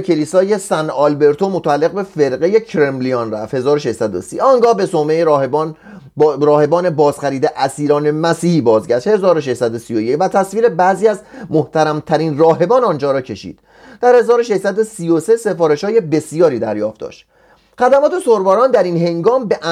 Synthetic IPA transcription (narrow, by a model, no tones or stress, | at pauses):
cʰe̞liːsɒːje̞sænɒlbe̞ɾt̪ʰo̞mot̪ʰoælːe̞ɣbe̞fe̞ɾɢeje̞cʰɾemlionræft̪he̞zɒːɾoʃeʃsæd̪o̰sḭɒŋɡɒːhbe̞somejeɾn | ɾɒːhe̞bɒːne̞bɒːzxæɾiːd̪eʔæsiːɾɒːne̞mæsiːhiːbɒːzɟæʃt̪he̞zɒːɾoʃ̬e̞ʃsæd̪osijoje̞cvæt̪ʰæsviːɾe̞bæːziːæzmoht̪ʰæɾæmt̪ʰæɾiːnrɒːɦe̞bɒːnɒnd͡ʒɒːɾɒːcʰe̞ʃḭːd̪̥ | d̪̥æɾhe̞zɒːɾoʃe̞ʃsæd̪o̞sijose̞se̞fɒːɾe̞ʃhɒːje̞be̞sijɒːɾiːd̪æɾjɒːfd̪ɒ̰ːʃt̪ | χæd̪æmɒːt̪ʰe̞soɾbɒːɾɒːnd̪æɾiːnɦe̞ŋɡɒːmbeʔæ